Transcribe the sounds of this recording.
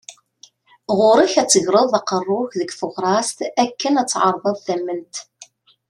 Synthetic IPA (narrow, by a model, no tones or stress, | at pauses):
ʁʊɾiçæt͡sːəʝɾˤəðˤɑqərˤːʊçðəɡθʊʁɾˤɑst̪ækːənæt͡sːʕɑɾˤðˤɑðˤθæmːənt̪